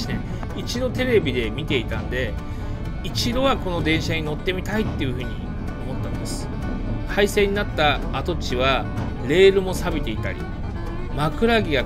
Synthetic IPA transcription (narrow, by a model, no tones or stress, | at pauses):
ne | it͡ɕid̪o̞t̪e̞ɾe̞bʲid̪e̞mʲit̪e̞it̪ãnd̪e̞ | it͡ɕid̪o̞βako̞no̞d̪ẽ̞ɰ̃ɕaɲ̟ino̞t̪ːe̞mʲit̪ait̪ːe̞iɯ̟ɸɯ̟ːɲ̟ḭ | omo̞t̪ːaimasɨ̥ | kaise̞ɲ̟inat̪ːaːt̪o̞t͡ɕiβa | ɾe̞ːɾɯ̟mo̞sabit̪e̞it̪a̰ɾʲḭ | makɯ̟ɾaɡʲiɡa